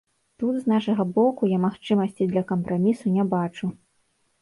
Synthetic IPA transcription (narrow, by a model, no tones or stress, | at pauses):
t̪ud̪znaʂɐɣɐbɔkujamaxt͡ʂɨmɐsʲt͡sʲid̪lʲɐkɐmpɾamʲisunʲɛbat͡ʂu